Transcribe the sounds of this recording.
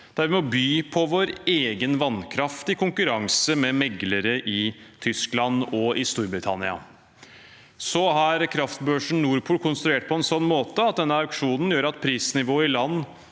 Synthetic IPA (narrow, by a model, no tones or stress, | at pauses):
d̪̥æɾʋɪmɔbyːpʰɔʋoːɾeːɡənʋɑnkʰɾɑft̪ɪkʰʊŋkʉɾɑŋsəmɛmɛɡləɾəʔɪt̪ʰʏsklɑnɔʔɪst̪uːɾbɾɪt̪ʰɑ̰nɪɑ̰ | sɔɦɑɾkʰɾɑft̪bøːʂɳ̩nuːɾpʰuːlkʰʊnst̪ɾʉeːʈ̚pʰɔɛnsɔnːmoːt̪əɑt̪̚d̪ɛnːəɑkʂuːnən̩jøːɾɑt̪̚pʰɾiːsnɪʋoːɪlɑnː